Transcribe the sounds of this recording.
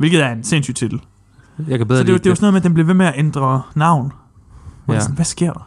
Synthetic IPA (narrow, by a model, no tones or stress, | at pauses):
ʋelɡ̥ð̩ˠæɐense̝̰nsy̰ːd̥t͡sʰid̥l̩ | jkesɒd̥ed̥eʊsɔnoðmeæd̥enmb̥le̝ʋe̝meæʔend̥ʁɐnɑ̈ʊ̰n | ʋɒ̥sɔn̩ʋæsɡ̥e̝ɐ̰d̥ɑ̈